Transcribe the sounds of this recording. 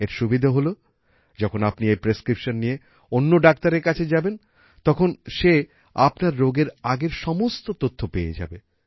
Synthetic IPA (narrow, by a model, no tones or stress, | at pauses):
eɾʃubid̪ʱaɦolo | d͡ʑɔkʰonapniejpɾeskɾipʃonːije | onːoɖak̚t̪aɾeɾkat͡ɕʰed͡ʑaben | t̪ɔkʰonʃe | a̰pnaɾːoɡeɾaɡeɾʃɔmost̪ot̪ot̪ʰːopeḛd͡ʑa̰be